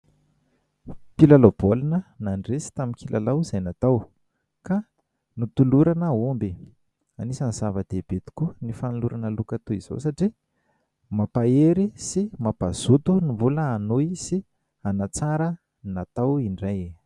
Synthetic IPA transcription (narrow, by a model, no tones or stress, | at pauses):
pilalob̥olunənanresi̥t̪amikilʔalawz̥ajnat̪aw | ka | nut̪uluɾanəombi | anisanizavəd̪̥eb̥et̪i̥kʲunifaniluɾʔanəlukat̪uiz̥o̰saʈ͡ʂi | mapaeɾisimapaz̥ut̪unimvuləːnoisi | anat͡saɾə | nat̪awiɳraj